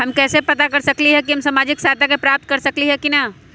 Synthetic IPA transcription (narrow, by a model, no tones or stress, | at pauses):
ɦɐmkɛːsepɐt̪akɐɾsɐkliɦɛkiɦɐmsaːmaːd͡ʒɪksaːt̪ʰakepɾaːp̚t̪̚kɐɾsɐkliɦɛkina